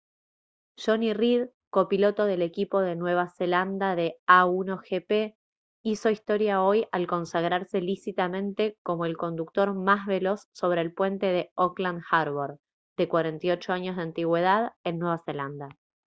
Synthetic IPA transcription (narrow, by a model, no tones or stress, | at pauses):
ʒo̞nirið | kopilo̞t̪o̞ðe̞le̞kipo̞ð̞e̞nwe̞β̞ase̞land̪aðe̞auno̞xepe | iso̞ist̪o̞ɾjao̞jalko̞nsaɣɾaɾse̞lisit̪amẽ̞nt̪e̞ko̞mo̞e̞lko̞nd̪uk̚t̪o̞ɾmazβe̞lo̞sːo̞βɾe̞ːlpwe̞nt̪e̞ð̞e̞okland̪xaɾβoɾ | d̪e̞kwaɾe̞nt̪io̞t͡ʃo̞aɲozðeant̪iɣwe̞ð̞aðenːwe̞β̞ase̞land̪a